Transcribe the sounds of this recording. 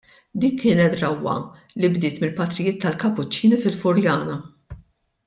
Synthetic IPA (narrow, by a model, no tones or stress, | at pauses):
d̪iːnkːɪːnɛt̪ɾɐwːɐ̰libd̪ɪːt̪mɪlpɐt̪ɾɪjɪːt̪ʰːɐlkɐpːʊt͡ʃːiːnifɪlfʊɾjɐːnɐ